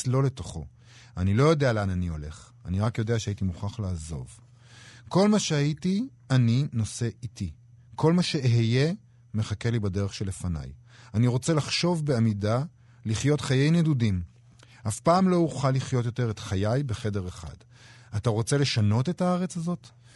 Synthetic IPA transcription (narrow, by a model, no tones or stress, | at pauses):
lo̞le̞to̞χo̞̰ | anilo̞jo̞dealeananio̞̰le̞χ | a̰niʁakjo̞de̞aʃeaitimuχaχlaːzo̞̰v | ko̞lmaʃeajiti | anino̞se̞ʔiti | kʰo̞lmaʃe̞ɦeje | me̞χake̞libade̞ʁeχʃele̞fana̰j | aniʁo̞t͡se̞laχʃo̞vbe̞amida | liχjo̞tχajejnedudim | hafpaːmlo̞uχaliχjo̞tjo̞te̞ʁetχajajbeχe̞de̞ʁeχa̰d̥ | ataʁo̞t͡se̞le̞ʃano̞te̞thaaʁet͡shazo̞t